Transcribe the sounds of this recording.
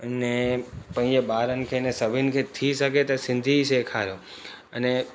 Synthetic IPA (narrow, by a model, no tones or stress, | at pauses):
ənepə̃ĩd͡ʒebaɾənkʰenesəʋinkʰet̪ʰiʃək̬et̪esɪ̃nd̪ʱiʃekʰaɾo | əne